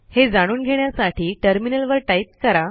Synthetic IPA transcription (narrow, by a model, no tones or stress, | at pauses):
hed͡zaɽ̃uːnɡʱeɽjasaʈiːʈəɾminəlʋəɾʈaip̚kəɾa